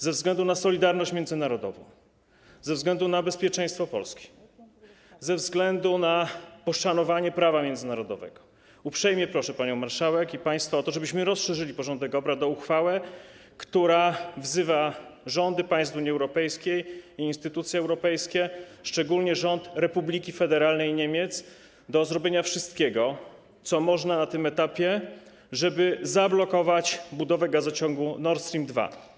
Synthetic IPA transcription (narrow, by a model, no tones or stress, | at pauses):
zɛvzɡlɛnd̪unasɔlʲid̪aɾnɔɕt͡ɕmʲjɛnd̪zɘnaɾɔd̪ɔ̰vɔ̰̃w̃ | zɛvzɡlɛnd̪unabɛspʲjɛt͡ʂɛ̃j̃st̪fɔpɔ̰lskʲi̥ | zɛvzɡlɛnd̪unapɔʂanɔvaɲɛpɾavamʲjɛnd̪zɘnaɾɔd̪ɔvɛ̰ɡɔ̥ | upʂɛjmʲjɛpɾɔʂɛpaɲɔ̃w̃maɾʂawɛkipaj̃st̪faɔt̪ɔʐɛbɘɕmɘɾɔsʂɛʐɘlʲipɔʐɔnd̪ɛkɔbɾad̪ɔuxfawɛ | kt̪uɾavzɘvaʐɔnd̪ɘpaj̃st̪uɲiɛwɾɔpɛjskʲejiːnst̪ɘt̪ut̪sʲjɛɛwɾɔpɛjskʲɛʂt͡ʂɛɡulɲɛʐɔnt̪ɾɛpublʲikʲifɛd̪ɛɾalnɛjɲemʲjɛt̪s | d̪ɔzɾɔbʲjeɲafʂɘst̪kʲɛɡɔ | t̪sɔmɔʐnanat̪ɘmɛt̪apʲjɛ | ʐɛbɘzablɔkɔvat͡ɕbud̪ɔvɛɡazɔt͡ɕɔŋɡunɔɾt̪st̪ɾʲimd̪va̰